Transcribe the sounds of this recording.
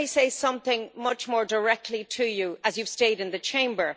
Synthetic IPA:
ɪseɪsʌ̃mθɪ̃ŋmʌt͡ʃmɔːɹdə˞ɛk̚tʰˡlitʰəjəəzjɨv̥steɪɾɪ̃nðət͡ʃʰẽɪ̃mbə˞

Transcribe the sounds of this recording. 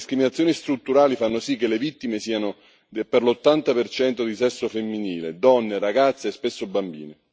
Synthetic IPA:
iskɾiminat̪sjoːnist̪ɾut̪ːuɾaːlifanːosikːelevit̪ːimesiːano | perlot̪ːant̪apert͡ʃɛnt̪od̪isɛsːofemːiniːled̪ɔnːeɾaɡat̪sːeɛspesːobambḭːne

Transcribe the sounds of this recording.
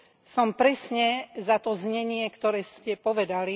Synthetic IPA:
sɔmpɾɛsɲɛzat̪ɔzɲɛɲɪɛkt̪ɔɾɛːscɛpɔʋɛd̪ali

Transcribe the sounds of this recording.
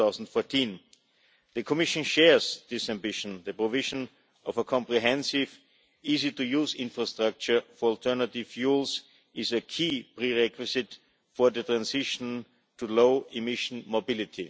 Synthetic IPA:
aʊzn̩tfɔɹtʰĩn | ðəkʰɔmɪʃə̃nʃɛɹzðɪsæ̃mbɪʃə̃nðəpɹɔvɪʒə̃n | ɔvəkʰɔ̃mpɹiɦɛ̃nsɪv | iːzitujuzɪ̃nfɹastɹak̚t͡ʃə˞fɔɹɔlˠtʰɜ˞nətɪv̥fjuːlˠs | ɪzəkʰiːpɹiɹɛkʰwɪsɪt | fɔ˞ðətɹãnsɪʃə̃n | tʰuloʊɪmɪʃn̩mobɪlɪtʰi

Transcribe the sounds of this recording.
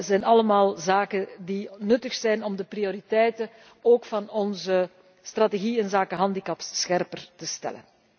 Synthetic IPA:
zɛjnɑləmaːlˠzaːkədinɵtəxsɛjnɔmdəprioɾitɛjtə | oːkfɑnɔnzə | st̪rateɣiɪnzaːkəɦɑndikɑpssxɛrpərtəstɛ̰lə̰n

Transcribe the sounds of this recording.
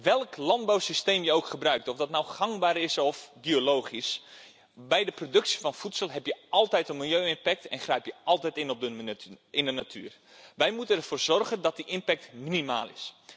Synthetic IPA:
ʋɛlˠklɑnd̚bawsisteːmjəowkχəbrœɥk̚tɔfdɔtnawχɑŋbaːɾɪsɔfbioloːχis | bɛjdəprodɵksi̥fɔnfutsəlˠɦɛpjəɑlˠtɛjtənmilˠjøːɪnpɛk̚tɛnχrɛjpjəʔɑlˠtɛjtɪnɔp̚dəɪndənatʰy̰ːr | ʋɛjmutənɛrvoːrzɔrɣəndɑt̚diʔɪnpɛk̚tminima̰ːlˠɪ̰s

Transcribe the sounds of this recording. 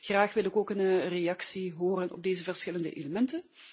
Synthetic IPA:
ɣraːxʋɪlˠɪkoːkənrejɑksiɦoːɾənʔɔ̰b̚deːzəvərsxɪləndə̰ʔḛləmɛntə

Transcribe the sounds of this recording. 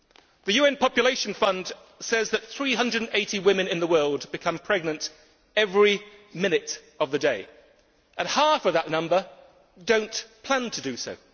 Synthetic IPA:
ðɨjʉɛ̃npʰɒpjɨleɪʃn̩fʌ̃nd̥ | sɛzðɨt̪̚θɹiɦʌ̃ndɹədn̩eɪɾiwɪ̃mɨ̃nɨ̃nðəwɜːlˠdbɨkʰʌ̃mpʰɹ̥ɛɡ̚nə̃nt | ɛvɹimɪ̃ñɪɾ | ʌvðɨdeɪ | ʔə̃nhɑfəvðəʔⁿnʌ̃mbə˞ | dõʊ̃npʰl̥æ̃ntʰədɨsoʊ

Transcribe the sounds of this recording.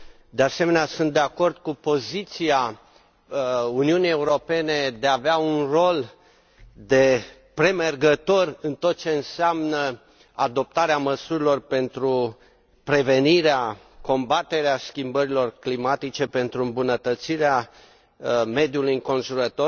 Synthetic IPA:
d̪ease̞me̞neasunt̪d̪e̞ako̞rd̪̚kupo̞zit̪sia | uniunijeuɾo̞pe̞ne̞d̪eaːveaunro̞l | d̪e̞ | pɾe̞merɡət̪o̞rɨnt̪o̞t̪̚t͡ʃe̞ɨnseamnə | ad̪o̞p̚t̪aɾeaməsuɾilo̞rpe̞nt̪ɾu | pɾe̞ve̞niɾea | ko̞mbat̪e̞ɾeaskʲimbəɾilo̞rklimat̪it͡ʃe̞pe̞nt̪ɾuɨmbunət̪ət̪siɾea | me̞d̪julujɨŋko̞nʒuɾət̪o̞

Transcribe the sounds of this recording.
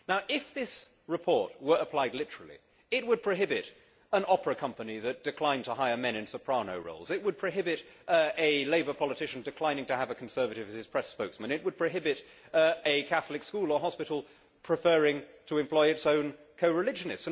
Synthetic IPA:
naʊʔɪfðɪs | ɹɨpʰɔɹt̚wə˞əpʰl̥aɪdˡlɪɾə˞l̩ˠḭ | ɪt̚wəd̚pʰɹ̥oʊɦɪbɪɾ | ə̃nɑpɹəkʰʌ̃mpəniðɨt̚d̥ɨkʰl̥ãɪ̃ntʰəɦaɪə˞mɛ̃ñɨ̃nsəpʰɹ̥ɑnoʊɹo̰ʊlˠzɨt̚wəd̚pʰɹ̥oʊɦɪbɨɾɨleɪbə˞pʰɑlˠətʰɪʃn̩dɨkʰl̥ãɪ̃ñɪ̃ŋtɨːvɨkʰn̩sɜ˞vɨɾɨvɨz̥ɨz̥pʰɹ̥ɛspoʊksmɨ̃nɨt̚wəd̚pʰɹ̥oʊɦɪbɨɾ | ɨkʰæθl̩ɨkskulˠə˞ɦɑspɨɾl̩ˠ | pʰɹ̥ɨfɜɹɪ̃ŋtʰəɨ̃mpʰl̥ɔɪɨtsõʊ̃n | kʰoʊɹɨlɪd͡ʒɨnɨsts

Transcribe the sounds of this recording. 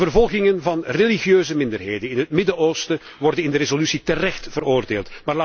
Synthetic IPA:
ərvɔlˠɣɪŋənvɑnreliɣjøːzəmɪndərɦeːjdənɪnɦətmɪdəoːstə | ʋɔrdənɪndəɾezolysitərɛxtv̥əroːrdeːlˠtmaːrlaː

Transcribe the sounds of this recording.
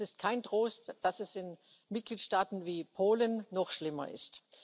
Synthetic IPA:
ɪst̚kʰaɪntʁ̥oːstd̥asɛsɪn | mɪt̚ɡ̥liːtʃtaːtn̩viːpʰoːlənːɔχʃlɪmɐ̰ʔɪ̰st

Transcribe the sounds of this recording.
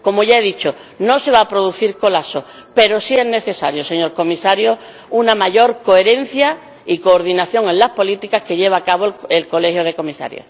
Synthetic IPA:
ko̞moʝaeðit͡ʃo | no̞se̞β̞aːpɾoðuθiɾko̞laso̞ | pe̞ɾo̞sie̞zne̞θe̞saɾjose̞ɲo̞ɾko̞misaɾjo̞ | unamaʝo̞ɾko̞e̞ɾe̞n̟θja | iko̞ːɾðinaθjo̞ŋe̞nlaspo̞lit̪ikaske̞ʎe̞βaːkaβoelko̞le̞hjoð̞e̞ko̞misa̰ɾjo̰

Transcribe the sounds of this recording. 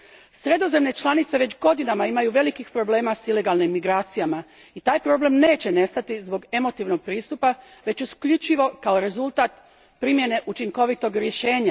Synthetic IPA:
sɾe̞d̪o̞ze̞mne̞t͡ʃlˠanit̪se̞ʋet͡ɕɡo̞d̪inamaimajuʋe̞likixpɾo̞ble̞ːmasile̞ɡalnimːiɡɾaːt̪sijama | it̪aːjpɾo̞ble̞mne̞ːt͡ɕe̞ne̞st̪at̪izbo̞ɡe̞mo̞t̪iʋno̞ɡ̥̚pɾiːst̪upa | ʋe̞t͡ɕuskʎut͡ʃiʋo̞kao̞ɾe̞zulˠt̪aːt̪ | pɾimje̞ne̞ʔut͡ʃiŋko̞ʋit̪o̞ɡɾje̞ʃe̞ːɲa

